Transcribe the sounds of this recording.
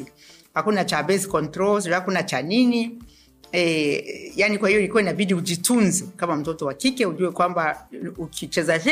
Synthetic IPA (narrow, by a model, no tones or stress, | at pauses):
hakunat͡ʃabɛskɔntɾɔlhakunat͡ʃanini | ɛjanikwahijɔilikuwainaɓiɗiuʄitunzɛkamam̩tɔtɔwakikɛuʄuwɛkwambaukʰit͡ʃɛza